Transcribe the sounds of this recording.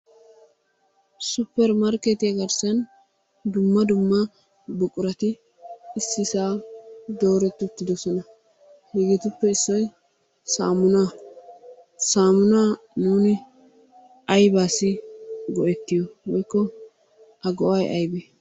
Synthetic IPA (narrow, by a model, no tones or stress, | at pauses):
sʊpːɛɾmɐɾket̪ɪjɐɡɐɾsɐn | d̪ʊmːɐd̪ʊmːɐ | bʊkʼʊɾɐt̪ɪ | ɪsːɪsaːd̪oːɾɛt̪ːɪʊt̪ːɪd̪ɔsɔnɐ | hɪɡɪt̪ʊpːɛɪsːɔj | sa̰ːmʊna | saːmʊnaː | nuːnɪ | ʔɐjbaːsːɪɡɔʔɛt̪ːɪjɔwɔjkːɔ | ʔɐɡɔʔɐjʔɐjbeː